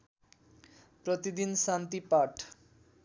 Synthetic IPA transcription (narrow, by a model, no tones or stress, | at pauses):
pɾot̪id̪insant̪ipaʈʰ